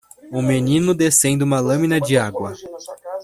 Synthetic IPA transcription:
ʊmenĩnʊd̪esẽnd̪ɪũmɐlɐ̃mĩnɐd͡ʒɪaɡwɐ

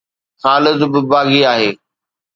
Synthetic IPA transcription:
xaːlɪzbɪbaːɡiaːɦeː

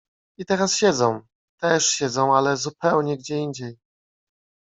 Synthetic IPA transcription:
it̪ɛɾasɕɛd̪zɔ̃w̃ | t̪ɛʂɕɛd̪zɔ̃w̃alɛzupɛwɲɛɡd͡ʑɛiɲd͡ʑej

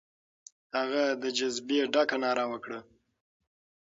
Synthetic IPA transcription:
haɣad̪əd͡ʒazbeɖakanɑːɾawəkɽə

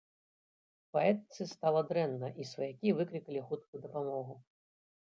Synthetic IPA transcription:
paɛt̪̚t̪sɨst̪alˠɐd̪ɾɛnːɐʔisvɐjakʲivɨklʲikɐlʲixut̪̚kujud̪ɐpamɔɣu

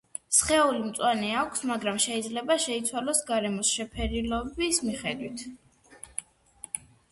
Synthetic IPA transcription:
sχɛulimt̪sʼwanɛakʷʰsmaɡɾamʃɛid̪zlɛbaʃɛit̪sʰwalɔsɡaɾɛmɔsʃɛpʰɛɾilɔbismiχɛd̪wit̪ʰ

